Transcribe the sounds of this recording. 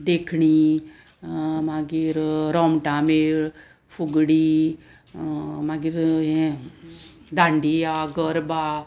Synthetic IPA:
d̪ekʰɳiː | maɡiɾɾɔmʈãmeːɭ | fuɡɽiː | maɡiɾɦe | d̪ʱãɳɖijaɡəɾba

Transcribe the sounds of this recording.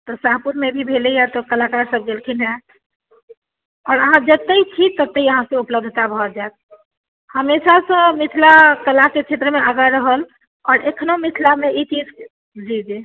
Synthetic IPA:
t̪ɔsapuɾmebʱibʱelejat̪ɔkəlakaɾsəb̚ɡelkʰinɛ | ɔːɾəɦãd͡ʒət̪ːeit͡ʃʰit̪ət̪ːeiəɦãsẽupləb̚d̪ʱət̪abʱɔd͡ʒaet̪̚ | həmeʃasə̃mit̪ʰlakəlaket͡ʃʰet̪ɾəmeʔaɡaɾəɦəl | ɔːɾekʰnomit̪ʰlameit͡ʃid͡ʒ | d͡ʒid͡ʒi

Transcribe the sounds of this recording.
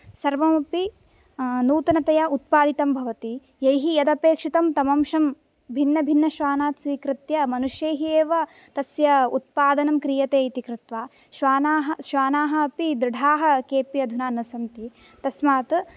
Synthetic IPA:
sɐɾʋɐmɐpi | nuːt̪ɐnɐt̪ɐjaut̪̚paːd̪it̪ɐmbʱɐʋɐt̪i | jɐjɦijɐd̪ɐpeːkʂit̪ɐmt̪ɐmɐmʃɐm | bʱinːɐbʱinːɐʃʋaːnaːt̪sʋiːkɾɪt̪jɐmɐnuʃjeːɦieːʋɐ | t̪ɐsjɐṵt̪̚paːd̪ɐnɐmkɾijɐt̪eːit̪ikɾɪt̪ʋaː | ʃʋaːnaːɦɐʃʋaːnaːɦɐɐpid̪ɾɪɖʱaːɦɐkeːpiɐd̪ʱunaːnɐsɐnt̪i | t̪ɐsmaːt̪

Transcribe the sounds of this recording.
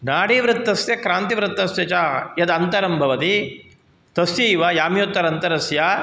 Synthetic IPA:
naːɽeːʋɾɪt̪ːɐsjɐkɾaːnt̪iʋɾɪt̪ːɐsjɐt͡ʃaːjɐd̪ɐnt̪ɐɾɐmbʱɐʋɐt̪i | t̪ɐsjiːʋaːjaːmjot̪ːɐɾɐnt̪ɐɾɐsja

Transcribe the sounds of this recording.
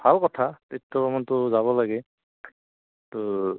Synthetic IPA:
b̥ʱalkɔtʰatetʰːɔbɔmɔntʊzaβɔlaɡɛ | tʊ

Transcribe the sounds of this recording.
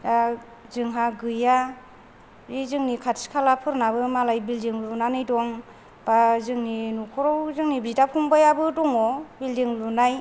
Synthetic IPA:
da | zɯŋɦaɡɯja | bizɯŋnikʰatskʰalapʰɯɾnabɯmalajbildiŋlunanɯjdɔŋ | b̥azɯŋninukʰɔɾɔwzɯŋnibitapʰumbajabɯdɔŋɔbildiŋlunaj

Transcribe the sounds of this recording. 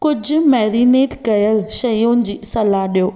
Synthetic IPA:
kʊd͡ʑʱʊmɛːɾineːʈkɐjəlʃɐjʊnɪ̆d͡ʑiːsɐlaɗijoː

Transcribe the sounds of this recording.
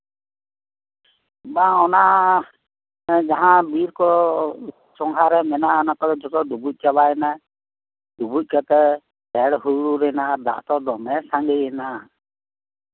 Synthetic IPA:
baɔnaʔ | d͡ʒaɦãbiɾkɔ | sɔŋɦaɾɛmɛnaɔnakɔdɛd͡ʒɔt̪ɔdubuc̚ˀt͡ʃaβaɛnaj | d̥ubuc̚kat̪ɛ | pɛɽɦuɾuɾɛnad̪a̰ʔt̪ɔd̪ɔmɛsaŋɡɛjɛna

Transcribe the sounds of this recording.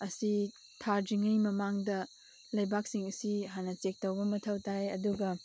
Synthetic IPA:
ɐsi | tʰaɾd͡ʒiŋɐjmɐmaŋdɐ | lɐjbak̚siŋɐsiɦanɐt͡ʃek̚tɐwbɐmɐtʰɐwtajɐ̰duɡɐ

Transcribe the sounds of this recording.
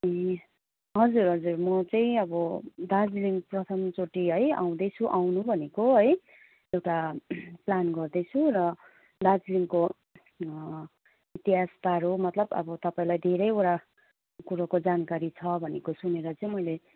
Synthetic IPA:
ʌj | ɦʌd͡zurɦʌd͡zurmʌt͡saĩʌbʌd̪ad͡zliŋɡprʌt̪ʰʌmt͡soʈiɦʌja̰w̃d̪ʌt͡sʰuʔawnubʱʌnekoɦʌj | ewʈaplanɡʌrd̪ʌt͡sʰũrʌ | d̪ad͡zliŋko | it̪iɦaspaɾomʌt̪lʌbʌ̰bʌt̪ʌpaĩlajd̪ʱeɾʌjoɾa | kuɾakod͡zankaɾit͡sʰʌbʱʌnekosuneɾʌt͡sʌĩmʌjle

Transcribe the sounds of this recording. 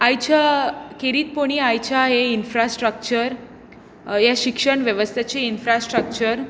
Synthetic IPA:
ajt͡ɕʰakeɾiːt̪̚poɽ̃iajt͡ɕʰaɦeinfɾasʈɾək̚t͡ɕəɾ | jaɕikʂəɳ̃ʋjəʋəst̪ʰjat͡ɕeinfɾasʈɾək̚t͡ɕəɾ

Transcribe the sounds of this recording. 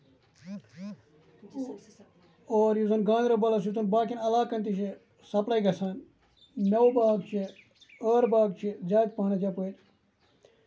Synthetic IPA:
oːɾjuzɐnɡãːnɾobɐlɐs̬jut̪unbaːkinɐlaːkːɐnt̪iʃe | sɐplɐjɡɐsaːn | nɐwbaːɡt͡ʃʰe | əːɾbaːɡt͡ʃʰizaːjd̪̚paːnɐt̪japuet̪

